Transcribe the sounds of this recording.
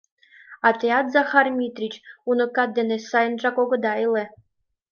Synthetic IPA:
atʰʼejat̪zaχarmʲit̪ʼrit͡ʃʼunɨkʼad̪enesajnʈ͡ʂʼakʷʼɔɡʷod̪ajle

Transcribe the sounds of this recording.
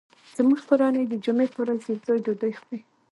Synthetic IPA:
z̥muʒpoɾɑnəjd̪əd͡ʒumepowɾazezojd̪əd̪ojxi

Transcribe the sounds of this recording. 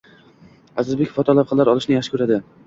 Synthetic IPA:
azɪɾbekʲfɒt̪ʰɒlˠap̚qʰɨlːaɾɒlˠɪʃnɪjaʃɪ̥kʰɵɾad̪ɪ

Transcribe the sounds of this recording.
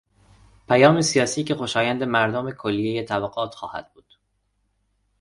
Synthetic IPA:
pʰæjɒːmesijɒːsiːce̞xo̞ʃɒːjænd̪e̞mæɾd̪omekʰolːijejet̪ʰæbæɡɒːt̪ʰxɒːhæ̰d̪̥̚buːd̪̥

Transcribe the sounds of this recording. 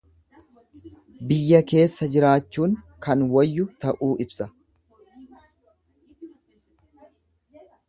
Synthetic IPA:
bɪjːɐke̞ːsːɐd͡ʒɪɾaːt͡ʃːuːŋkɐnwɐjːʊt̪ɐʔuːʔɪbsɐ

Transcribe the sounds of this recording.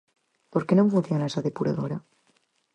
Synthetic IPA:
po̞ɾkenoŋfunθjonaesaðepuɾa̰ðoɾa

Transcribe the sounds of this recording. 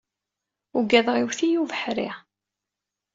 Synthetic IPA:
uɡæðʁiwθijuvəħɾḭ

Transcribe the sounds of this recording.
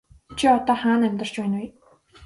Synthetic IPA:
t͡ɕʰiɔt̪ɔːχaːnæmʲt̪ə̆r̥t͡ɕpæːnij

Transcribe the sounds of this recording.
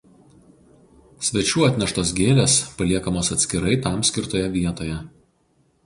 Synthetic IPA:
sʲʋʲɛt͡ʃʲuːɐt̪ʲnʲɛʃt̪oːsɡʲeːlʲeːspɐlʲiɛkɐmoːsɐt̪ʲsʲkʲɪɾɐɪt̪ɑˑmsʲkʲɪɾt̪oːjɛʋʲiɛt̪oːjɛ

